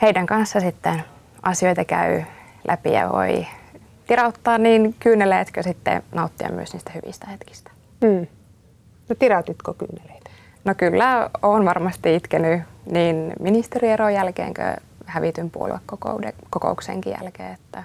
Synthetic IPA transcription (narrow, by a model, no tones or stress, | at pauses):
heidæŋkɑnsːɑsit̪ːen | ɑsioit̪ɑkæy | lʔæpḭjɑ̰ʋo̰i | t̪irɑut̪ːɑːnniːnkyːnːeleːt̪køsit̪ːḛnɑut̪ːiɑ̰my̰øsniːst̪æhyʋḭst̪æhet̪ki̥st̪æ̥ː | not̪irɑut̪it̪koky̰ːneleit̪ | nokylːæoːnʋɑrmɑst̪iit̪kenyniːnminist̪erieɾojælkḛːŋkø̰ | hæʋit̪ympuo̰lʋḛkːoko̰udekoko̰uksḛːŋkijæ̰lkḛːet̪ːæ